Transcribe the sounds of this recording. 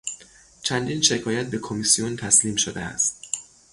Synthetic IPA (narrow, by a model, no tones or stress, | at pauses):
t͡ʃʰænd̪iːnʃe̞kʰɒːjæt̪̚be̞kʰomisijont̪ʰæsliːmʃod̪eæ̰st̪